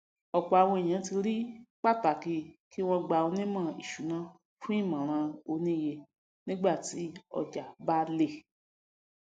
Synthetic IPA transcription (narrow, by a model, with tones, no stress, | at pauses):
ɔ˨k͡pɔ˨a˨w̃ɔ̃˧i˨j̃ã˨˦ti˧ɾi˦k͡pa˦˨ta˨ki˦ki˦w̃ɔ̃˧ɡ͡ba˧o˧nĩ˦mã˦˨ḭ˨ʃu˨˦nã˦ | fũ˦i˦˨mã˨ɾ̃ã˧o˧nĩ˦˨je˧ | nĩ˦ɡ͡ba˦˨ti˨˦ɔ̰˦˨d͡ʒa˨ba˦le˦˨